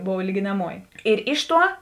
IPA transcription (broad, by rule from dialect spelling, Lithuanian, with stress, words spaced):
ˈboːw lʲiːɡʲɪnɐˈmuɔjɪ ɪr ˈɪʃ ˌtuɔ